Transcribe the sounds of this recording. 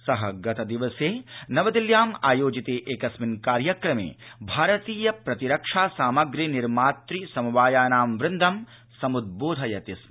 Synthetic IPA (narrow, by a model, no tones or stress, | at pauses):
sɐɦɐɡɐt̪ɐd̪iʋɐseːnɐʋɐd̪iljaːma̰ːjoːd͡ʒit̪eːʔeːkɐsminkaːɾjɐkɾɐmḛːbʱaːɾɐt̪iːjɐpɾɐt̪iɾɐkʂaːsaːmɐɡɾiniɾmaːt̪ɾisɐmuʋaːjaːnaːmʋɾɪnd̪ʱɐm | sɐmud̪̚boːd̪ʱɐjɐt̪ismi